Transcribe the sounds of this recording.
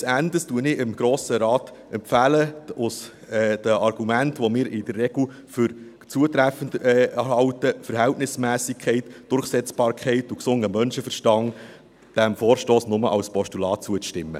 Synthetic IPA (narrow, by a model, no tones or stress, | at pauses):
sændəstuənɪɪmɡ̥ɾoːsəɾɑːt̪ | ʔɛmpfæːləʊs | ɛd̥əʔɑɾɡ̥umæntʋomɪːɾɪd̥ərːɛɡl̩ | fʏɾ | t͡suətɾæfəndɛhɑwtəfəɾɦɛltnɪsmæːsɪkʰχɛɪtd̥ʊrχsɛt͡sb̥ɑːɾkʰχɛɪtuksʊŋəmœnʃəfəɾʃtɑŋ | d̥æmfoːɾʃtoːsnʊməʔɑ̰lspɔʃtulɑːt̚t͡suət͡sʃtɪmːə̰